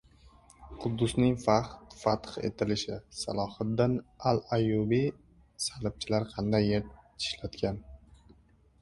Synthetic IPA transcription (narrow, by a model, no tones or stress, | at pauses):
qʰʊd̪ːʊsnɪŋfat̪fat̪χḛt̪ʰɪlɪʃɪsa̰lˠɒhat̪̚d̪analajubi | salɪp̚t͡ʃʰɪlaɾqʰɑnd̪ajːet̪ɪ̥ʃlat̪kʲan